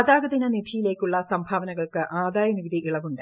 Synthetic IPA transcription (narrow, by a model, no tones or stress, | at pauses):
ɐðaːɡɐd̪inɐnid̪ʱijile̞ːkʲːuɭːɐsɐmbʱaːʋɐnɐɣɐɭkɨʔaːd̪aːjɐniʋid̪iʔiɭɐʋuɳɖɨ